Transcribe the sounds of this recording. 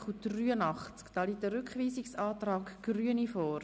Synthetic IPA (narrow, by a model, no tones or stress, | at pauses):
χutryːənɑχt͡skd̥ɑːliːk̚təɾʏkχʋiːzɪksɑːtrɑːkɡ̥ryənifɔːɾ